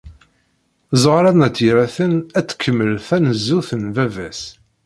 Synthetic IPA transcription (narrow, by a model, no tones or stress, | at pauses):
zˤʁɾænæt͡sːiɾæθənæt͡sːkʰːəmːəlθænəzːuθənvævæs